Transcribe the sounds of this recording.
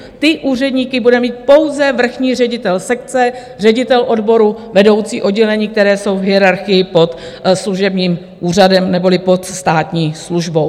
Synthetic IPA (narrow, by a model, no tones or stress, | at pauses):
t̪ɪʔuːr̝ɛdɲiːkɪbudɛmiːt̪̚po̞wzɛvr̩xɲiːrɛɟɪt̪ɛlsɛkt͡sɛ | r̝ɛɟɪt̪ɛlʔo̞dbo̞ɾuvɛdo̞wt͡sḭːʔo̞dɟɛlɛɲiːk̚t̪ɛɾɛːso̞wvɦɪɛɾaɾxɪjɪpo̞t̪sluʒɛbɲiːm | ʔuːr̝adɛmnɛbo̞lɪpo̞t̪st̪aːt̪ɲiːsluʒbo̞w